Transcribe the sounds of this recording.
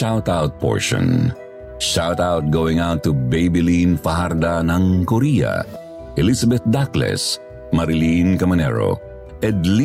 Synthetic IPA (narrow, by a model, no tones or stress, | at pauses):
awt̪awt̪̚pɔ̰ɹʃɔ̰̃n | ʃawt̪aʊt̪̚ɡowɪ̃ŋaʊt̪ːubejbɪlĩnfɐɦaɾd̪anɐ̃ŋkɔɾijɐ̰ | ʔɛlisɐbɛt̪̚d̪aklɛ̰s | mɐɾɪlĩnkɐmɐnɛ̰ɹo̰ | ɛd̪li